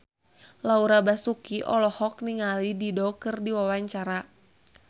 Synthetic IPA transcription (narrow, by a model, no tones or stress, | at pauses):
lauɾabasukiʔɔ̰lɔhɔk̚niŋalididɔkɨrdiwawaɲt͡ʃaɾa